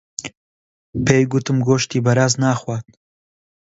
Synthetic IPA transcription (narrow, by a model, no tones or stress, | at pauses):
pʰeːjɡʊt̪ɨmɡoːʃt̪iːbɐɾaːznaːxwaːt̪̚